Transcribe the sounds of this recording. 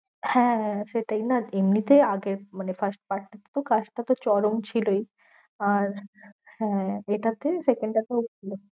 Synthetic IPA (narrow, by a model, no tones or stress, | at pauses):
hɛ̃ʃeʈajnaemnit̪eaɡeɾmanefəɾsʈ̚paɾʈːat̪e̥t̪okaʃʈat̪ot͡ɕɔɾomt͡ɕʰiloj | aɾhɛ̃eʈat̪esekeɳɖʈat̪eokʰilo